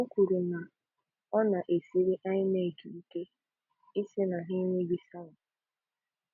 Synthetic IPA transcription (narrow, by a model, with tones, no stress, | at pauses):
o˦kʷu˨ɾu˨na˨ | ɔ˦na˨ʔe˨si˦ɾi˦ʔa˦ɲ˦ne˦˨ki˨i˦ke˦ | i˦se˦na˨ɦi˦ɲe˦bi˦sa˦wa˨